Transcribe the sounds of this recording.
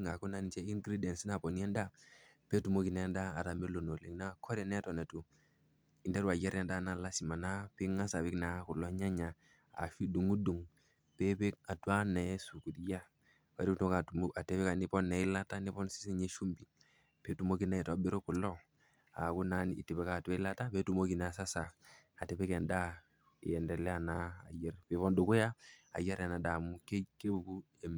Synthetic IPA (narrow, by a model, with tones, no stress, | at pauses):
ŋa˨ku˦na˦n˨t͡ʃɛ˦i˦ŋɡɾi˦dɛ˨nsi˦na˨po˨ni˦ɛ˦nda˦ | pe˦tu˨mo˦ki˨nɛ˨˦ndaː˦˨ɾa˨me˦lo˨no˨li˨ŋna˦kʰɔ˦ɾɛ˨nɛ˦tɔ˨nɛ˨tu˨ | i˨ndɛ˦ɾwa˨jɛ˦ɾɛ˦nda˦na˦la˦si˨ma˨na˦pi˦ŋa˦sa˨βi˦kna˨˦ku˨lɔ˦ɲa˦ɲa˨ | a̰˨fi˦du˨ŋu˦du˨ŋ | pe˦pe˦k̚a˨twa˦nɛ˨˦su˨ku˨di˦ja˦ | wa˨ɾi˦˨tka˨tua˨te˦pɛ˦ka˨ni˦pɔ˦nɛ˨ɪ˦la˦ta˦ni˦pɔ˦nsi̥˦si˦ɲe˦ʃu˦mbi˨ | pe˨˦tu˨mo˦ki˦na˨ɛ˨tɔ˨˦bi˦ɾo˦ku˨lɔ˦ | a̰˨ku˦na˨˦nḭ˨ti˨bɛ˦ka˨tu˦ɛ˦la˦ta˦pe˦tu˨mo˦ki˨n˨sa˦sa˨a˨te˨pɛ˦kɛ˨nda˦˨ | ɛ˨ndɛ˨lɛ˦a˨naː˨jɛ˦rpe˨˦βɔ˦ndu˨ku˦ja˦a̰˨ja˦ɾa˨na˨da˨mu˦ke˦ke˦bu˨ku˦ | e˨m